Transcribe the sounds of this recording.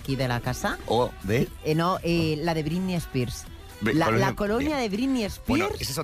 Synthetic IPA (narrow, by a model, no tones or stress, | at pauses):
kiðelakasaoðe | noʔelaðeβɾimiespiɾs | lalakolonjaðeβɾimiespiɾses